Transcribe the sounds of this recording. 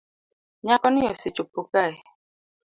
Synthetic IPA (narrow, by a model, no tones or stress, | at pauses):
ɲakɔnijɔsit͡ʃupukae